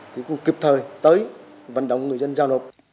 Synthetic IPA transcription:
t̪ʰi˨˧˦kʊ˧˩ŋ͡mki˨˩p̚t̪ʰəː˨˩jt̪əː˨˦j | və̰˧˨nɗə̰˧˨wŋ͡mŋɨ˨˩əjzə˧nzaː˧wno˨˩p̚

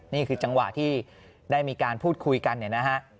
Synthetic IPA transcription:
niː˥˩kʰɯː˧t͡ɕa˧ŋwa̰˨˩ʔt̪ʰiː˥˩ | daː˥˩jmiː˧kaː˧npʰuː˥˩t̪̚kʰu˧jka˧nːi˨˩na˦˥kʰa˦˥ʔ

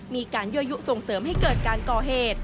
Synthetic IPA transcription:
miː˧kaː˧nju˦˥ʔa˧ju˦˥ʔso˨˩ŋsɤː˩˦mha˥˩jkɤː˨˩t̪̚kaː˧nkɔː˨˩ɦeː˨˩t̪̚

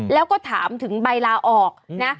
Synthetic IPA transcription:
lɛː˦˥wkɔː˥˩t̪ʰaː˩˦mt̪ʰɯ˩˦ŋba˧jlaː˧ʔɔː˨˩k̚na˦˥

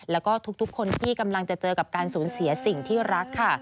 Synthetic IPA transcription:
lɛː˦˥wkɔː˥˩t̪ʰu˦˥k̚t̪ʰu˦˥kʰːo˧nt̪ʰiː˥˩ka˧mla˧ŋt͡ɕa˨˩t͡ɕɤː˧ka˨˩p̚kaː˧nsuː˩˦nsi˨˩˦ɐsi˨˩ŋt̪ʰiː˥˩ɾa˦˥kʰːa˥˩

